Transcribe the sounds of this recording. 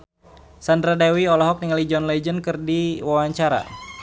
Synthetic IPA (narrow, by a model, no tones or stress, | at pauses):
sandɾadɛwiɔlɔɦɔk̚niŋalid͡ʒɔnlɛd͡ʒənkɨrdiwawaɲt͡ʃaɾa̰